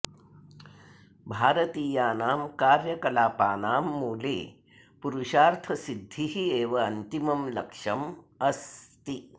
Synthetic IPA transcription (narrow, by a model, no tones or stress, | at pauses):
bʱaːɾɐt̪iːjaːnaːmkaːɾjɐkɐlaːpaːnaːmːuːlḛː | puɾuʂaːɾt̪ʰɐsid̪ʱːiɦieːʋɐɐnt̪imɐmlɐkʂɐm | ɐst̪i